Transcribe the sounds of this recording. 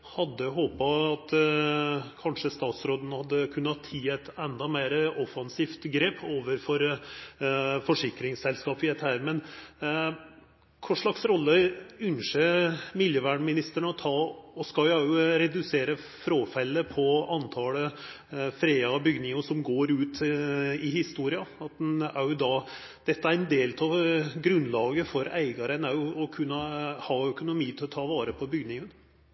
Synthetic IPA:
hɑd̪ːəɦoːpɑɑt̪ | kʰɑnʂəst̪ɑːt̪sɾoːd̪nəhɑd̪ːəkʰʉnːəɑt̪ʰːiːæt̪ɛnd̪ɑmeːɾəɔfɑnsiːft̪ɡɾeːpʰoːʋəɾfɔɾ | fɔʂɪkɾɪŋsɛlskɑːpɪd̪ɛt̪ːəhæːɾmɛn | kʰʊʂɭɑksɾɔlːəʉnʂəmɪljəʋæːɳmɪnɪst̪əɳəɔt̪ʰɑːɔskɑljʊæʊɾɛd̪ʉseːɾə | fɾoːfɛlːəpʰɔɑnt̪ʰɑlə | fɾeːɑbʏɡnɪŋəʂsɔmɡoːɾʉːt̪ɪhɪst̪uːɾɪɑɑt̪̚æjʊd̪ɑ | d̪̥ɛt̪ːəæɾɛnd̪eːlt̪ʰɑʋɡɾʉnlɑːɡəfɔɾæɪɡɑɾənæɾjʊɔkʰʉnːəhɑːœkʊnʊmiːt̪ʰɪlɔt̪ʰɑːʋɑːɾəpʰɔbʏɡnɪŋən

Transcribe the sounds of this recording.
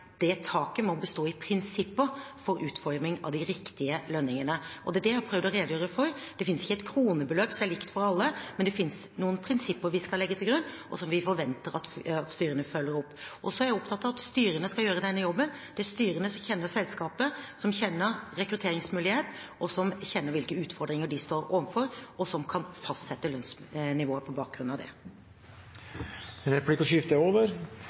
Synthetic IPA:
d̪̥ɛt̪ʰɑːkəmɔbəst̪oːɪpʰɾɪnsɪpːəfɔɾʉːt̪fɔɾmɪŋɑ̰ʋd̪ɪɾɪkt̪ɪəlœnːɪŋənəʔɔd̪ɛd̪ɛjhæpʰɾœʋd̪ɔɾeːd̪ʊjøːɾəfɔɾd̪̥ɛfɪnəsɪçːəɛt̪kʰɾuːnəbəløːpsɔmæɾɭɪkt̪fɔɾɑlːəmɛnd̪ɛfɪns | nuːənpʰɾɪnsɪpːəɾʋɪskɑlɛɡːət̪ʰɪlɡɾʉnːʔɔ̰sɔmʋɪfɔɾʋɛnt̪əɾɑt̪ɑt̪st̪yːɾənəfœlːəɾɔpːʔɔsɔæɾjæɔpt̪ʰɑt̪ːɑʋɑt̪st̪yːɾənəskɑjøːɾəd̪ɛnːəjɔbːənd̪̥ɛæst̪yːɾənəsɔmçɛnːəɾsɛlskɑːpəsɔmçɛnːəɾɾɛkɾʉt̪ʰeːɾɪŋsmʉːlɪheːt̪ʔɔsɔmçɛnːəɾʋɪlkəʉːt̪fɔɖd̪ɾɪŋəɖɪst̪oːɾo̰ːʋənfɔɾɔsɔmkʰɑnfɑst̪sɛt̪ːəlœnsnɪʋoːəpʰɔbɑːk̚ɡɾʉnɑʋd̪ɛ̰ | ɛnɾɛpʰlɪkːɔʃʏft̪əoːʋəɾ

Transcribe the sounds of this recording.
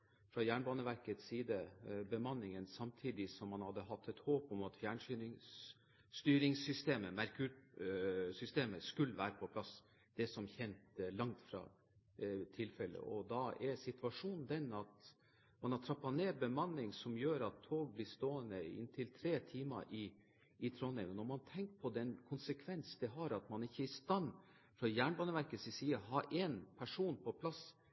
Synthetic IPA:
fɾɑjæːɳbɑːnəʋæɾkət̪siːd̪əbəmɑnːɪŋənsɑmt̪ʰiːd̪ɪsɔmːɑnhɑd̪ːəɦɑt̪ʰːɛt̪hoːpɔmɑt̪fjæːɳʂyːɪŋ | st̪yːɾɪŋsʏst̪eːməmæɾkʉɾ | sʏst̪eːməskʉlːəʋæːɾəpʰɔpʰlɑs | d̪̥ɛsɔmçɛnt̪lɑŋt̪fɾɑ̰ | t̪ʰɪlfɛlːə̰ʔɔd̪ɑɛɾsɪt̪ʰʋɑʂuːnn̩d̪ɛnɑt̪ | mɑnhɑʈ̪ʰɾɑpːɑneːbəmɑnːɪŋsɔmjøːɾɑt̪ʰːoːɡ̚blɪst̪oːənəɪ̰nːt̪ʰɪlt̪ʰɾeːt̪ʰiːmɑ̰ʔɪː | t̪ʰɾoːnɛɪnɔnɔɾmɑnt̪ʰɛŋkpʰɔd̪ɛnkʰʊnsəkʰʋɛnsd̪ɛɦɑɾɑt̪mɑnɪçːəɪst̪ɑnː | fɾɑjæːɳbɑːnəʋæɾkəsɪsiːɑɦɑɾʔɛnpʰæʂuːnpʰɔpʰlɑs

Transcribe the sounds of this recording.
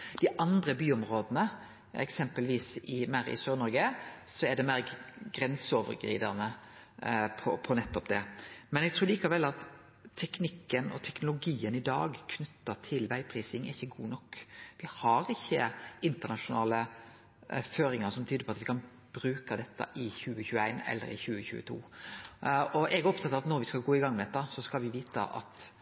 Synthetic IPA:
d̪̥ɪʔɑnd̪ɾəbyːɔmɾoːd̪nə | ɛ̰ksɛmpəlʋiːsɪmæɾɪ̰søːɾnɔɾɡəsɔɛɖɛmæːɡɾɛnsɔʋə̰ɾɡɾḭːd̪ɑ̰nə | pʰɔ̰pʰɔnɛt̪ːɔpd̪ɛmɛnɛɡ̚t̪ɾʉːɾliːkɑʋɛlːɑt̪ʰː | ɛknɪkːənɔ̰t̪ʰɛknʊlʊɡiːənɪd̪ɑ̰ːɡkʰnʉt̪ːət̪ʰɪlʋæɪpʰɾiːsɪŋɪçːəɡuːnɔkːʋɪhɑɾɪçːəɪnt̪ənɑʂʊnɑ̰ːlə | føːɾɪŋəɾsɔmt̪ʰyːd̪əpʰɔɑt̪ʋɪkʰɑn | b̥ɾʉːkəd̪ɛt̪ːə̰ʔɪçʉːəçʉːəæɪnɛ̰lːə̰ɾɪ̰çʉːəçʉ̰ːət̪ʰṵː | ɔʔɛɡæɾɔpt̪ʰɑt̪ːɑʋɑt̪nɔɾʋɪskɑlɡoːɪɡɑŋːmɛd̪ɛt̪ːəsɔskɑlʋɪʋiːt̪ə̰ʔɑ̰t̪

